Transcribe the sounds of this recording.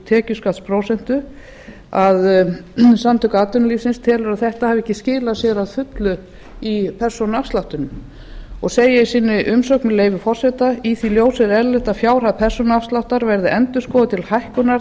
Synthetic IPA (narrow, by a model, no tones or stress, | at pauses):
t̪ʰɛːcʏskat̪spʰɾoːwsɛn̥t̪ʏ | að | samt̪ʰʏkaaːt̪ʏnliːfsɪnst̪ʰɛːlʏɾaðθɛht̪ahavɪɛhcːɪscɪːlasjɛɾaðfʏt̪lʏ | ipʰɛr̥sɔnafst̪lawht̪ʏnʏm | ɔɣseːjɪisiːnɪʔʏmsowknmɪleːjvʏfɔr̥sɛt̪aiθiljoːwsɛɾɛɾlɪht̪afjaːwɾ̥haðpʰɛr̥sɔnafst̪lawht̪aɾvɛɾðɪʔɛnt̪ʏskɔːðʏt̪ʰɪlhajhkʏnaɾ